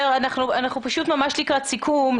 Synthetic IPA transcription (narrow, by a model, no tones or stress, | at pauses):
eʁanaχnuanaχnupaʃut̪mamaʃlikʁatsikʰum